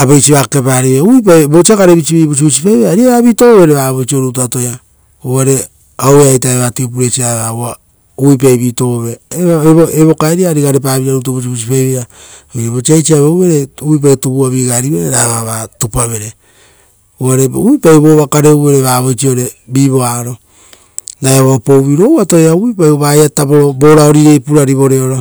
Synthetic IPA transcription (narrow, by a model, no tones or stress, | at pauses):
abejt͡ʃiβaːkepaɾiβeuip̬abot͡ʃiakaɾeβit͡ʃiβiːβut͡ʃ̬ibusipajβeaɾiaβaβiːto̞βoβe̞ɾeβaːβojt͡ʃio̞ɾeut̬atoja | oaɾe̞ | aweajtaeβatiup̬uɾet͡ʃiaβawa | uip̬ajβiːto̞βoβeβoeβokaɾiaɾiɡaɾep̬aːβiɾaɾut̬uβus̬ibusipajβeɾaojeβot͡ʃiajt͡ʃiaβewβe̞ɾeuip̬ajtubuaβiːɡaɾiβeɾeɾaβaβatupaβe̞ɾe | uaɾeuipajβoːβakaɾeuβeɾeβaβojt͡ʃioɾe̞biːβo̞aɾo̞ | najaβoopowβiɾowatoeauipajuβajataboɾobo̞ɾaoɾiɾe̞jpuɾaɾiβo̞ɾeoɾo